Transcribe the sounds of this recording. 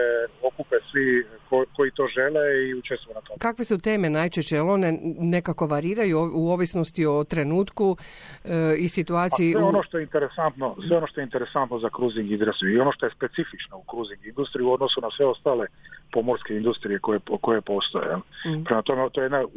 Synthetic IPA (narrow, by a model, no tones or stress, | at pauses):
eokupesʋikoko̞it̪o̞ʒeleiut͡ʃest̪ʋojenat̪okakʋe̞sut̪e̞ːme̞najt͡ʃeʃt͡ɕejelo̞ne̞ne̞kako̞ʋaɾiːɾajuuoːʋisno̞st̪io̞t̪ɾe̞nuːt̪ku | isit̪uaːt̪ijieonoʃt̪o̞jeint̪eɾesant̪no̞sʋeono̞ʃt̪oeint̪eɾesant̪nozakɾuziŋɡizɾasijio̞no̞ʃt̪ojespe̞t̪sifit͡ʃnoukɾuziŋɡind̪ust̪ɾiuo̞d̪no̞sunasʋe̞o̞st̪aːle̞po̞mo̞ɾske̞ind̪ust̪ɾijekojekojepo̞ːst̪ojḛjelpɾemat̪omet̪ojeed̪na